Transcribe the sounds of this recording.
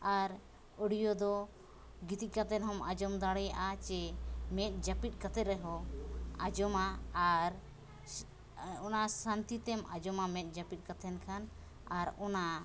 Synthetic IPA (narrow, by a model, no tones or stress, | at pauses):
aɾ | əɽijɔd̪ɔ | ɡit̪ikat̪ɛnɦɔmad͡ʒɔmd̪aɽɛjaʔat͡ʃɛmɛt̪̚ˀd͡ʒapit̪̚ˀkat̪ɛɾɛɦɔad͡ʒɔmaːɾ | ɔnasant̪it̪ɛmad͡ʒɔmamɛt̪̚ˀd͡ʒapit̪̚ˀkat̪ʰɛnkʰan | aɾɔna